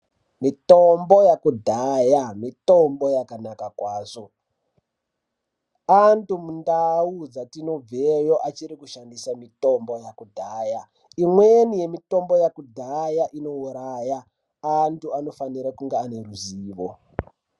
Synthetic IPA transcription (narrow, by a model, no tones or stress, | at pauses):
mitombo̞jakudʱajamito̞mbo̞jakanakakwaːʐo̞ | antumundaud͡zatino̞b͡vejo̞ʔat͡ʃiɾikuʃandisamito̞mbo̞jakudʱaːja | imwenije̞mito̞mbo̞jakudʱajaʔino̞uɾajaː | ntuano̞faniɾakuŋɡeane̞ruziːʋo̰